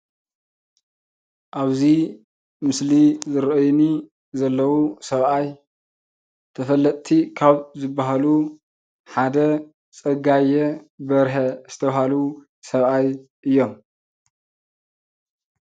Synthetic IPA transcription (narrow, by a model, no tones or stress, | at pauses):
ʔaβzi | mɨslizɨɾʔojni | zɐlːɐwusɐβʔaj | t̪ʰɐfɐlːɐt̪ʼt̪ʰikʰaβzɨbːaɦalu | ħad̪ɐ | t͡sʼɐɡajɛbɐɾħɐzɨt̪ʰɐβhalu | sɐβʔaj | ʔɨjːo̞m